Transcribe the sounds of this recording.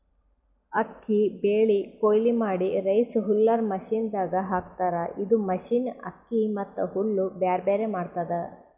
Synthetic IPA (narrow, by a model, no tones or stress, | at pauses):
ɐkːibeːɭikoːjlimaːɽiɾɐjsɦulːɐɾmɐʃiːnd̪aːɡɐɦaːkt̪aːɾɐʔid̪umɐʃiːnɐ̰kːimɐt̪ːuɦulːubjaːɾbeːɾemaːɖt̪ad̪ɐ